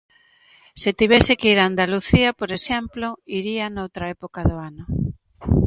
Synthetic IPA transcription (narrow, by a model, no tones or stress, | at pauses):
set̪iβɛsɪkeiɾand̪aluθiɐpoɾesɛmploiɾianowt̪ɾaɛpokaðoanʊ